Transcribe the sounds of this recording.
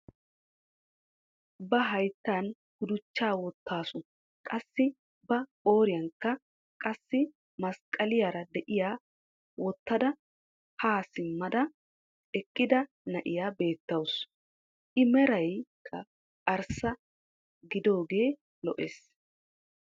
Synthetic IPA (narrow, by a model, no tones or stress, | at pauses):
bɐɦɐjt̪ːaːn | ɡ̥ʊd̪ʊt͡ʃːaːwɔt̪ːaːsʊ | kʼɐsːɪ | bɐoːɾɪjɐŋkːɐ | kʼɐsːɪ | mɐskʼːɐlɪjaɾɐd̪ɛʔɪjaː | wɔt̪ːɐd̪ɐ | haːsɪmːɐd̪ɐ | ɛkʼːɪd̪ɐ | nɐʔɪ̰jaːbe̞ːt̪ːɐws | ʔɪmɛɾɐjkʰːɐ | ɐɾsɐ | ɡɪd̪o̞ːɡe̞ː | lɔʔeːs